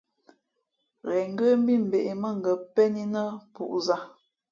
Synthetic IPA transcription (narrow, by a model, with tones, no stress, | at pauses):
ɣɛ˨ŋ˦ɡə˦m˦bi˦˨m̩˨be˨ʔe˨mə˦˨ŋ̩˨ɡə˨pɛ˦ni˦nə˦pṵ˨ʔza˦